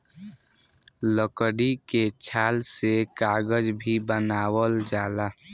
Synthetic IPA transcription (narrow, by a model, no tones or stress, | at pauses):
ləkəɽiket͡ʃʰaːlsekaːɡəd͡ʒbʱibənaːwəld͡ʒaːla